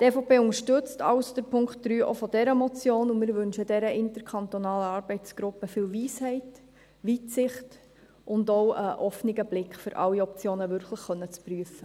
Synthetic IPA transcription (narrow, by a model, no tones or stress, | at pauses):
tɛːfoːpʰeːʊŋəʃtʏt͡stɑ̰ʊsd̥əɾpʰʊŋktd̥ɾyːʔo̰fɔd̥ɛɾəmɔt͡sjoːnʊmɪɾʋʏnʃədɛɾəʔɪntəɾkʰɑntɔnɑːləɑːɾb̥ɛɪtt͡sɡ̥ɾʊpːəfɪːlʋiːshɛɪt | ʋitsɪχt | ʔʊndɔwəʔɔfniɡəblɪkχfʏɾʔɑ̰lːiɔp̚t͡sjoːnəʋʏɾkləχːœnːət͡spryəfə